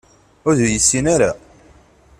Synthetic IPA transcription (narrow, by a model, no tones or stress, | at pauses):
ʊɾðujəsːinaɾa̰